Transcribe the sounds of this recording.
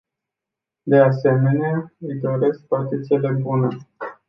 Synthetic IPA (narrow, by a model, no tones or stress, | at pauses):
d̪e̞ase̞meneaɨjd̪o̞ɾe̞sk̚pat̪it̪sielebune